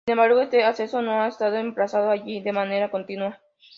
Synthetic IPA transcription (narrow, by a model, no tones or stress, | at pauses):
sinembaɾɣoest̪easesonõaest̪aðoempɾasaðoaʝid̪emãne̞ɾakont̪inwa